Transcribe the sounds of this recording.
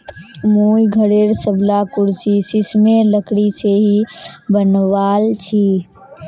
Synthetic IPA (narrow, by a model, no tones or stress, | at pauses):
moːjɡʱəɽeɾsəblakʊɾsisismeləkɽiseɦibənʋaːlt͡ʃʰi